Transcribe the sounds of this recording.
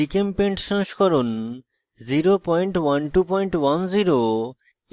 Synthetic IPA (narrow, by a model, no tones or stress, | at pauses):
ikempẽɳʈʃãʃkʰɔɾon | ziɾopɔjɳʈwanʈupɔjɳʈwanziɾo